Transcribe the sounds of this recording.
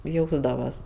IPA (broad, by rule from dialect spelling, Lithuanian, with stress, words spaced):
ˈjɛʊzdɐʋɐs